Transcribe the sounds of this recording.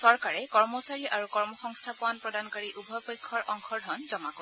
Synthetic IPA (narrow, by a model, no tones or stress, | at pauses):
sɔɹkaɹɛkɔɹmɔsaɹiʔaɹukɔɹmɔxɔŋstʰapʊanpɹɔdankaɹiʔubʱɔpɔjkʰːɔɹʔɔŋkʰɔɹdʱɔnzɔmako